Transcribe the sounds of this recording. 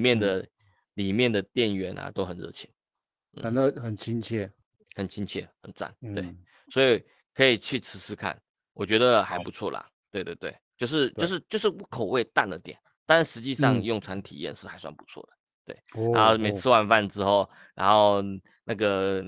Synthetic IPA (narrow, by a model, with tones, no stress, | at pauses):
mjɛ˥˨nd̪ə˩ | li˨˩mjɛ˥˩nd̪ə˩t̪jɛ˥˨˩nɥɛ˧˥na̰˨t̪o˥ʊxə˨˩nɻɤ̰˥˧˩t͡ɕʰi˧˥n | n̩˥˩˨xə˨˩nt͡ɕʰi˥nt͡ɕʰjɛ˥˩ | xə˨˩nt͡ɕʰi˥nt͡ɕʰjɛ̰˥˩xə˨˩nt͡sa̰˥˩nt̪wḛ˥˩ɪ | swɔ˧˥i˨˩ | kʰɤ˧˥i˨˩t͡ɕʰy˥˩ʈ͡ʂʰɻ̩˧˥t͡sʰɹ̩˥kʰa̰˥˨˩n | wɔ˨˩t͡ɕɥɛ˧˥d̪ə˨xa˧˥ɪpu˧˥t͡sʰwɔ̰˥˩la̰˨˩ | t̪we˥˧ɪt̪we˥˩ɪt̪wḛ˥˩ɪt͡ɕjo˥˧ʊʂ̬ɻ̩˥˧t͡ɕjo˥˧ʊʂ̬ɻ̩˥˧t͡ɕjo˥˧ʊʂ̬ɻ̩˥˩˥kʰo˨˩ʊwe˥˧ɪt̪a˥˩nd̪ə˨˩t̪jɛ̰˨˩˦n | t̪a˥˧nɻa˥nʂɻ̩˧˥t͡ɕi˥˧ʂɑ˥˧ŋjʊ˥˨˩ŋt͡sʰwa˧˥nt̪ʰḭ˨˩jɛ̰˥˧nʂɻ̩˥˩xa˧ɪswa˥˩npu̥˧˦t͡sʰwɔ̰˥˩d̪ə̥˩ | t̪wḛ˥˩ɪna˧˦nxo˥˧ʊ˩mẽ˨˩t͡s̩ʰ˥wa˥˧nfa˥˧nʈ͡ʂɻ̩˥xo˥˩ʊ | ɻa̰˧˥nxo˥˧ʊ | na˥˩ɡə˩